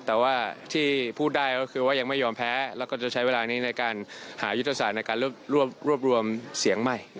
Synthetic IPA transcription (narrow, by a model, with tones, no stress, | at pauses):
t̪ɛː˨˩waː˥˩t̪ʰiː˥˩pʰuː˥˩t̪̚daː˥˩jkɔː˥˩kʰɯː˧waː˥˩ja˧ŋma˥˩jɔː˧mpʰɛː˦˥lɛː˦˥wkɔː˥˩t͡ɕa˨˩t͡ɕʰa˦˥jweː˧laː˧niː˦˥na˧jkaː˧nhaː˩˦ju˦˥t̪ʰːa˧saː˨˩t̪̚n˧jkaː˧nɾu˥˩əp̚ɾu˥˩əp̚ɾu˥˩p̚ɾu˧əmsi˨˩˦əŋma˥˩j